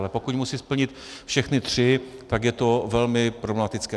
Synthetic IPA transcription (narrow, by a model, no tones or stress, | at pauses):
lɛpo̞kucmusispl̩ɲɪt̪ | fʃɛxnɪt̪r̝̥ɪt̪akjɛt̪o̞vɛlmɪpɾoblɛmat̪ɪt͡skɛ